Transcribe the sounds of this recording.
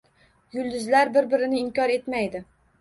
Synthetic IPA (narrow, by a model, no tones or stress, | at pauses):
jʊlˠd̪ʊzlaɾbɪɾbɪɾɪnɪːŋkʲɒɾe̞t̪majd̪ɪ